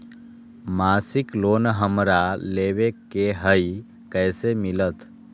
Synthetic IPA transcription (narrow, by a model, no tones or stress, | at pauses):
maːsikloːnɦəmɾaleːʋekeɦəi | kəːsemilət̪